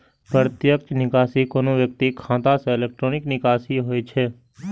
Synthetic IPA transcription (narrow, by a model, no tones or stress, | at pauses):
pəɾt̪jəkt͡ʃnɪkaːsikoːnõʋjək̚t̪ikʰãːt̪ãseɪleːk̚ʈɾoːnɪknɪkaːsiɦoːet͡ʃʰeː